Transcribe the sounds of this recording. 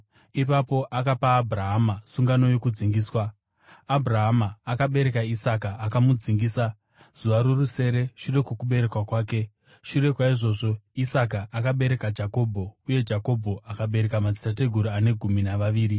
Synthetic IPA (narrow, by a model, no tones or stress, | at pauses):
ipapo̞ʔakapaːbʱuraɦamasuŋɡano̞jo̞kud͡ziŋɡiːswaː | bʱuraɦamaːkaɓe̞ɾe̞kaisakaːkamud͡ziŋɡiːsa | z̥uʋaɾuruse̞ɾe̞ʃure̞kwokuɓe̞ɾe̞kwakwaːke̞ | ʃure̞kwaiʐo̞ːʐo̞isak̬aʔːkaɓe̞ɾe̞kad͡ʒako̞bʱo̞uje̞d͡ʒako̞bʱo̞akaɓe̞ɾe̞kamad͡zi̥tate̞ɡʱuɾuane̞ɡʱuminaʋaʋiːɾi